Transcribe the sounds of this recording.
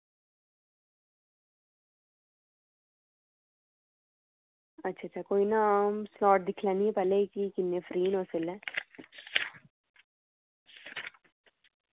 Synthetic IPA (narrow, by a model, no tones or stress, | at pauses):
ɐt͡ʃʰːɐt͡ʃʰakojnamslaːʈ̚d̪ikʰlɐnipɐlekikinːefɾiːnosilːɛ